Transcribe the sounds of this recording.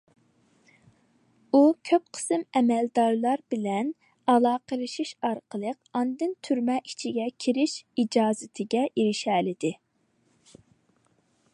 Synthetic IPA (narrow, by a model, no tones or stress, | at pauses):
ukʲʰøp̚qʰə̥sɨmɛmɛld̪ɑɾlˠɑɾbɪlɛn | ɑlˠɑːqʰəlˠɨʃiʃɑɾqʰəlˠəqɑnd̪ɨnt̪ʰyɾmɛʔit͡ʃʰiɡʲɛkʲʰiɾɪʃid͡ʒɑːzɪt̪ʰɪɡʲɛʔiɾɪʃɛlɪd̪ɪ